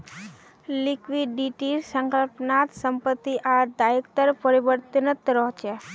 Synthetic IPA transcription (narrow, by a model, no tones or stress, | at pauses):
likʋiɖːiʈiɾsəŋkəlpnaːt̪səmpət̪ːiʔaɾd̪ajəkt̪əɾpəɾibəɾt̪ənət̪ɾɔɦt͡ʃe